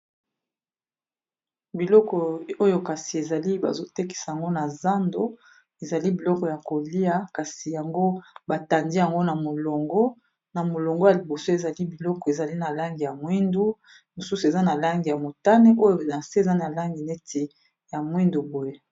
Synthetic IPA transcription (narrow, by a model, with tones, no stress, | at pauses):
bi˨lɔ˦kɔ˨o˦jo˦ka˨si˨e˨za˨li˦ba̰˨zo˦te˦ki̥˨sa˨ja˨ŋɡo˦na˨za˦ndo˦ | e˨za˨li˦bi˨lɔ˦kɔ˨ja˨ko˨li˦a˨ka˨si˨ja˨ŋɡo˦ba˨ta˨ndi˦ja˨ŋɡo˦na˨mo˨lo˨ŋɡɔ˦ | na˨mo˨lo˨ŋɡɔ˦ja˨li˨bo˨so˦e˨za˨li˦bi˨lɔ˦kɔ˨e˨za˨li˦na˨la˦ŋɡi˨ja˨mwi˦ndu˦ | mo˨su˦su˨e˨za˦na˨la˦ŋɡi˨ja˨mo˨ta˦ne˦ʔo˦jo˨la˨nse˦e˨za˦na˨la˦ŋɡi˨ne˦tʰe˨ | ja˨mwi˦ndu˨bo˨je˦